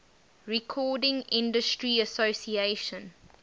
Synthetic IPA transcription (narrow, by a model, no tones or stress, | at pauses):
ɹɛkʰɔːdɪ̃ŋɪ̃ndəstɹiəsosieʃə̃n